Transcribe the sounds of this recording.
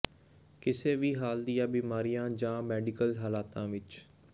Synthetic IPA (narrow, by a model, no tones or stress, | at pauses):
kɪseːʋiːɦaːld̪ijãːbiːmaːɾijãːd͡ʒãːmɛːɖɪkəlɦaːlaːt̪ãːʋɪt͡ʃ